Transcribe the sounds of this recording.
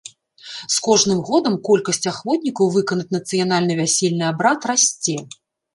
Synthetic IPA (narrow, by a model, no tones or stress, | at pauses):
skɔʐnɨmɣɔd̪ɐmkɔlʲkɐsʲt͡sʲaxvɔt̪ʲnʲikɐwvɨkɐnɐt͡sʲnɐt̪sɨjanalʲnɨvʲasʲelʲnɨabɾat̪rasʲt͡sʲɛ